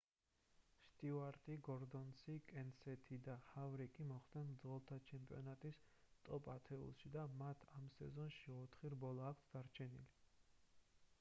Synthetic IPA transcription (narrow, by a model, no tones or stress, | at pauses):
ʃt̪ʼivaɾt̪ʼiɡɔɾd̪ɔnsikʼɛnsɛt̪ʰid̪ahavɾikʼimɔχd̪ɛnd̪zɔlˠt̪ʰat͡ʃʰɛmpʼḭɔnat̪ʼis | t̪ʼɔpʼat̪ʰɛṵlˠʃid̪amat̪ʰamsɛzɔnʃiɔt̪ʰχiɾbɔlˠaːkʷʰsʰd̪aɾt͡ʃʰɛnḭli